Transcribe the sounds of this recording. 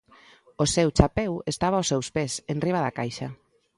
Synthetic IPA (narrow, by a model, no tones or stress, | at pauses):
osɛwt͡ʃapɛwest̪aβ̞aosewspesenriβ̞aðakajʃa